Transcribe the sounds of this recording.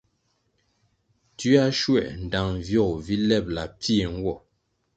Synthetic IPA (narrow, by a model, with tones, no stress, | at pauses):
ti˦a˦ʃwɛ̰˦˨ʔn̩˨da˨ŋ˨vjɔ˦˨kvi˦lɛ˦˨p̚la˨pi˦e˨ŋ̩˦ɡwɔ˦˨